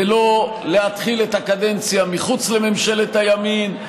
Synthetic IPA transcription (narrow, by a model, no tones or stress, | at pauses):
elo̞ | leat̪χiletakade̞nt͡sjamiχut͡sle̞me̞mʃe̞let̪ajamin